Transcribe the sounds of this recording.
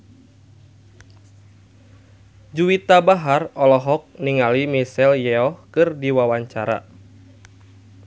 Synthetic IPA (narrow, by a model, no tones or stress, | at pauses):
d͡ʒuwit̪abaɦarɔlɔɦɔk̚niŋalimisɛljɛɔhkɨrdiwawaɲt͡ʃaɾa̰